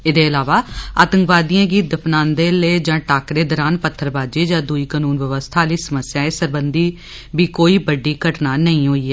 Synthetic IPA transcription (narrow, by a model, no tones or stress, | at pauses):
ɪd̪eːəlaːʋaːaːt̪əŋkʋaːd̪ijãːɡiːt̪̚d̪əpʰnãːnd̪eːleːd͡ʒãːʈaːkɾeːd̪ɔːɾaːnpət̪ʰːəɾbaːd͡ʒeːd͡ʒãːd̪uiːkaːnuːnʋəʋəst̪ʰaːliːsəməsjaːeːsəɾbənd̪iː | biːkoːiːbəɖiːkəʈnaːnəĩːɦoːiːaː